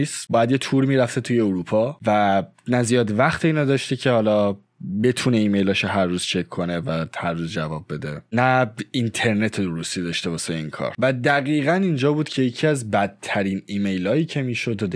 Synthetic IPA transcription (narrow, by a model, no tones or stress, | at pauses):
isbɒːjæd̪jet̪ʰuːɾmiːɾæft̪et̪ʰuje̞oɾupʰɒːvænæzijɒːd̪væχt̪ʰeiːnɒːd̪ɒːʃt̪ecʰe̞hɒːlɒː | be̞t̪ʰuːne̞iːme̞jlɒʃoɦæɾːuːz̥t͡ʃʰekʰːo̞ne̞væhæɾːuːzd͡ʒævɒːb̚ːe̞d̪e̞næint̪ʰe̞ɾne̞t̪ʰed̪oɾust̪id̪ɒʃt̪e̞bɒːseinkʰɒ̰ːɾvæd̪æɣiːɣænind͡ʒɒːbuːd̪̥cʰe̞jecʰiæzbæd̪̚t̪ʰːæɾiːniːme̞jlɒːjiːcʰe̞miːʃod̪d̪